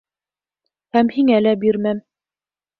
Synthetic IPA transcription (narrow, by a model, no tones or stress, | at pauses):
hæmhiŋælæbiɾmæm